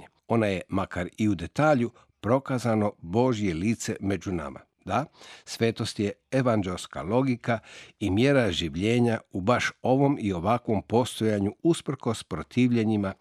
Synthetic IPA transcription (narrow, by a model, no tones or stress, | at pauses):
e | o̞naje̞makaɾiud̪e̞t̪aːʎu | pɾo̞kazano̞bo̞ʒije̞liːt̪se̞me̞d͡ʑuna̰ma̰ | d̪asʋe̞ːt̪o̞st̪je̞eʋand͡ʒelska̰lo̞ɡikaimje̞ɾaʒiʋʎe̞ːɲaubaʃo̞ʋo̞mio̞ʋakʋo̞mpo̞st̪o̞jaɲuuspr̩ko̞spɾo̞t̪ʰiːʋʎe̞ɲima